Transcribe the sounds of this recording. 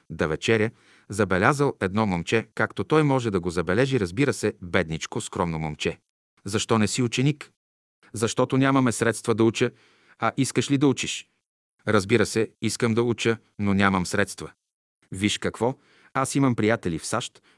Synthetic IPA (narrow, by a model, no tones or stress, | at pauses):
d̪ɐvɛt͡ʃɛɾʲjə | zɐbɛlʲazəlˠɛd̪nɔmomt͡ʃɛkakt̪ot̪ɔjmɔʒɛd̪ɐɡozɐbɛlɛʒiɾɐzbiɾəsɛbɛd̪nit͡ʃkoskɾɔmnomomt͡ʃɛ | zɐʃt̪ɔnɛsiut͡ʃɛnik | zɐʃt̪ɔt̪onʲamɐmɛsɾɛt̪st̪vɐd̪ɐut͡ʃə | ɐʔiskəʃlid̪ɐut͡ʃiʃ | ɾɐzbiɾəsɛiskəmd̪ɐut͡ʃə | nonʲamɐmsɾɛt̪st̪və | viʃkɐkvɔ | asimɐmpɾijat̪ɛlifsaʃt̪